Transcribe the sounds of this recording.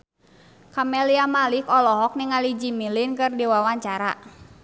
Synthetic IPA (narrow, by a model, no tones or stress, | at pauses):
kamɛliamalikɔlɔɦɔk̚niŋalid͡ʒimilɪnkɨrdiwawaɲt͡ʃaɾa̰